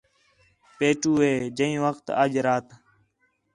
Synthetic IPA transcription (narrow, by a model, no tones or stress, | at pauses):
peːʈuːɦeːd͡ʒəĩːʋəkt̪ə̰ːd͡ʒɾaːt̪